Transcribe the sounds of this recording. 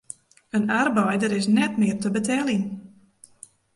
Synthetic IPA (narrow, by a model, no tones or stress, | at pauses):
ənarbɛjdəɾɪsnɛtmɪərtəbətʰɛlin